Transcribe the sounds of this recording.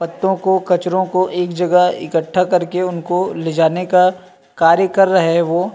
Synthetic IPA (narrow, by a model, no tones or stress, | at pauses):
pɐt̪ːõkokɐt͡ʃɾõkoʔeːkd͡ʒɐɡəɦɪ̰kəʈʰːakɐɾkeʊnkoled͡ʒaːneka | kaːɾjəkɐɾːɐɦeʋoː